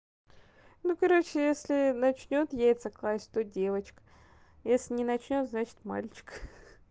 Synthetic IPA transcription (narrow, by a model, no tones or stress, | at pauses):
nukɐɾo̞t͡ɕɪjesʲlʲɪnɐt͡ɕnʲo̞t̪jejʲɪt̪səklˠasʲt̪odʲe̞vət͡ɕk | jesʲlʲɪnʲɪnɐt͡ɕnʲo̞t̪znat͡ɕɪ̥t̪ma̰lʲt͡ɕɪ̥k